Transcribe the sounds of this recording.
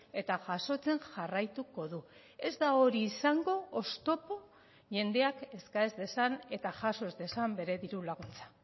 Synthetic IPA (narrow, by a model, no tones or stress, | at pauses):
e̞t̪aʝaso̞t͡se̞nʝarajt̪uko̞ðu | e̞zd̪aoɾiːsaŋɡo̞ːst̪o̞po̞ | ʝe̞nd̪e̞ake̞skaezd̪e̞sane̞t̪aʝaso̞ezd̪e̞sambe̞ɾe̞ðiɾulaɣunt͡sḁ